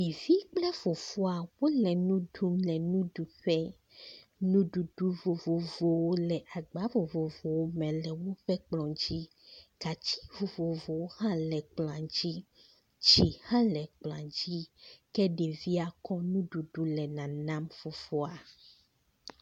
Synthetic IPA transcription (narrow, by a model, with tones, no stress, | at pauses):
mi˨vi˦k͡plɛ˦fo˨fo˦a˨wo˦lɛ˨nũ˦ɖu˦mlɛ˨nũ˦ɖu˨ɸɛ˦ | nũ˦ɖu˨ɖu˦vo˨vo˨vo˨wo˦lɛ˨ʔa˨ɡ͡ba˦vo˨vo˨vo˨wo˦mɛ̃˨lɛ˨wo˦ɸɛ˦k͡plɔ̃˨d͡ʑi˦ | ka˨t͡ɕi̥˦vo˨vo˨vo˨wo˦hã˦lɛ˨k͡plã˨d͡ʑi˦ | t͡ʃi˨hã˦lɛ˨k͡pl̃ã˨d͡ʑi˦kɛ˦ɖe˨vi˦a˨kɔ˦nũ˦ɖu˨ɖu˦lɛ˨nã˨nã˦mfo˨fo˦a˨